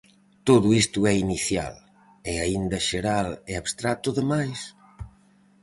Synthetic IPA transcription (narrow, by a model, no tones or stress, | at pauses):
t̪oðʊist̪ʊɛiniθja̰l | ɪaind̪ɐʃeɾalɛaβst̪ɾat̪ʊðemajs